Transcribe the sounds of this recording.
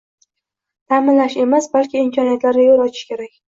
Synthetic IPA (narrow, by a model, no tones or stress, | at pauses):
t̪ʰamɪnlaʃe̞masbalkʲɪːmkʰʲɒnijat̪laɾɡʲajolˠɒt͡ʃʰɪ̥ʃkʲe̞ɾakʲ